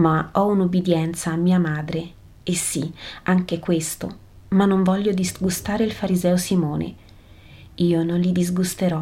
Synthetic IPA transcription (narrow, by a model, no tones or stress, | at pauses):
maɔunubid̪jɛnt̪saːmːiːamaːd̪ɾe | esːiaŋk̟ekwest̪o | manːoɱvɔʎːod̪izɡust̪aːɾeilfaɾizɛːosimɔːnḛ | iːononlid̪izɡust̪eɾɔ